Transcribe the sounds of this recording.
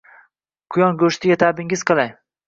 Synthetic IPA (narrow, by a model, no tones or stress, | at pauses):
qʰʊjɒnɡoʃt̪ʰɪjʲat̪ʰabɪŋɪzqʰɨlˠaj